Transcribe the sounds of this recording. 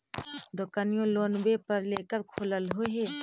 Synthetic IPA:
d̪ʊkanijõloːnbepəɾleːkəɾkʰoləlɦoɦeː

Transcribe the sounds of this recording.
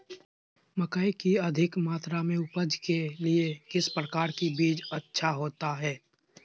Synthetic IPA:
məkaikiɐd̪ʱɪkmaːt̪ɾamẽʊpəd͡ʒkeliekɪspɾəkaːɾkibiːd͡ʒətːʃʰaɦoːt̪aɦɛː

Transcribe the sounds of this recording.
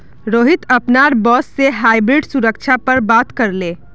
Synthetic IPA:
ɾoːɦit̪əpnaɾbɔːsːeɦajbɾiɖsuɾək̚t͡ʃʰapəɾbat̪kəɾle

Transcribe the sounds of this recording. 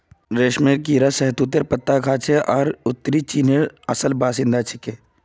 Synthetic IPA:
ɾeːʃmeːɾkiːɾasɛɦt̪ut̪̬ːeɾpət̪ːakʰaːt͡ʃʰeʔɔːɾʊt̪ːəɾit͡ʃiːneɾɐsəlbaːsɪ̃nd̪at͡ʃʰɪkeː

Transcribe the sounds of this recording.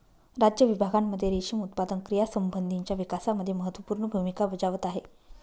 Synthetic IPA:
ɾad͡ʑjəʋibʱaɡamːəd̪ʱːjeɾeɕimut̪̚pad̪ənkɾijasəmbənd̪ʱiɲt͡ɕjaʋikasaməd̪ʱːjeməɦət̪ʋəpuːɾɳəbʱumikabəd͡ʑaʋət̪aɦe

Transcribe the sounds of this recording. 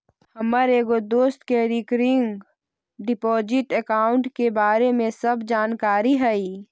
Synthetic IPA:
hɐməɾeːɡod̪oːst̪keɾɪkɾɪŋɡ | ɖɪpɔːd͡ʒɪʈəkaːʊɳʈkebaːɾemẽsɐbʱd͡ʒaːnkaːɾiɦɛi

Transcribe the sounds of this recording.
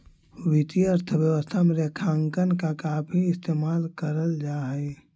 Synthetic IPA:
wɪt̪iəɾt̪ʰəʋjəʋəst̪ʰameɾekʰãːŋkənkakaːpʰiɪst̪eːmaːlkəɾəld͡ʒaːɦɛː

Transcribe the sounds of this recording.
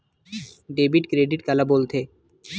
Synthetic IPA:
ɖebiʈkɾeɖiʈkɛlabolt̪ʰe

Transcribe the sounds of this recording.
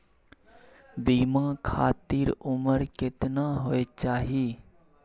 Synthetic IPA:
biːmãkʰaːt̪iːɾʊməɾkɪt̪naɦoet͡ʃaːɦiː

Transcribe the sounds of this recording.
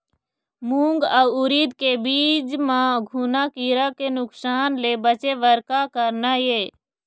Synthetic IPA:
muːŋɡaʊɾiːd̪kebiːd͡ʒmãɡʱunakiɾakenʊksaːnleːbət͡ʃeʋəɾkakəɾnajeː

